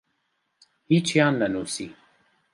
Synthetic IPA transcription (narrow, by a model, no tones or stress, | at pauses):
hit͡ʃʰijaːnlɐnuːsi